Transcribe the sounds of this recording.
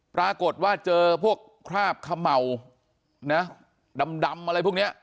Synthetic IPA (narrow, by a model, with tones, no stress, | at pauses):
pɾaː˧ko˨˩t̪̚waː˥˩t͡ɕɤː˧pʰu˥˩əkʰːɾaː˥˩p̚kʰa˧ma˨˩w | na˦˥ | da˧mda˧mʔa˧ɾa˧jpʰu˥˩ni˦˥ɐ